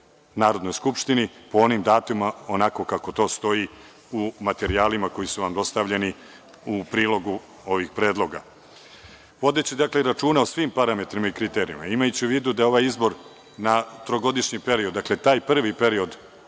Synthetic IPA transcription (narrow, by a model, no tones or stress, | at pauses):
naːɾod̪no̞jskupʃt̪inipoo̞nimd̪aːt̪umaonako̞kako̞t̪o̞ːst̪o̞i | umat̪e̞ɾiaːlimako̞jisuʋamd̪o̞st̪aʋʎe̞ni | upɾiːlo̞ɡu | o̞ʋixpɾe̞ːd̪lˠo̞ɡa̰ | ʋo̞d̪e̞t͡ɕid̪akle̞ɾat͡ʃuːnaosʋimpaɾame̞t̪ɾimaikɾit̪eːɾḭjṵma̰imajut͡ɕiuʋiːd̪ud̪ajeo̞ʋajizbo̞ɾ | nat̪ɾoɡo̞d̪iʃɲipe̞ɾiod̪ːakle̞t̪aːjpr̩ʋipe̞ɾio̞d̪